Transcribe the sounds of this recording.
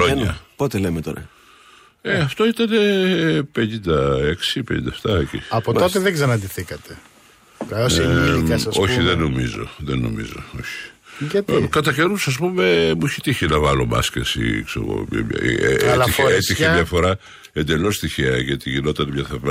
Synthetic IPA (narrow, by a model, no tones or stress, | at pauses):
oɐpot̪elemet̪o̰ɾɐ̰ | eɐft̪o̞it̪ɐne̞pe̞ɲind̪ɐe̞ksipeɲḭnd̪ɐeft̪ɐcḭɐpoot̪eðeɡzɐnɐnd̪iθikɐt̪e | kɐoseiɐɐo̞çiðenomizo̞̰ðeno̰mḭzo̞̰o̞çi̥t̪kɐt̪ɐce̞nusɐs̬pume̞muçit̪içinɐvɐlo̞mɐ̰scḛsḭksḛɣo̰lɐçeet̪içemɲɐfo̞ɾɐ | e̞nd̪e̞lo̞st̪içiɐʝɐt̪iʝino̞t̪ɐnemɲɐθev